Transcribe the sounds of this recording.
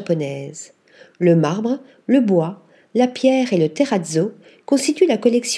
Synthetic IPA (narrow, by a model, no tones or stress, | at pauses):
apɔnɛz | ləmaʁbʁ | ləbwa | lapjɛːʁelət̪eʁad̪zo | kɔ̃st̪it̪ylakɔlɛksj